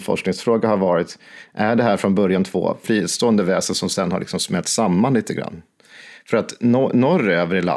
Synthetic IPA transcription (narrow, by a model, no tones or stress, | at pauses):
fɔ̰ʂknɪŋsfɾoːɡaɦaɾvɑːɾɪt̪ʔæɖɛɦæːɾfɾɔnbœɾjant̪ʰvo̰ːfɾiːst̪oːənd̪əvɛːsənsɔmsɛnːha̰ɾɭɪ̰ksɔmsmɛlt̪samːaniːt̪ʰəɡɾa̰nː | fœɾat̪nɔɾːøːvəɾɪla̰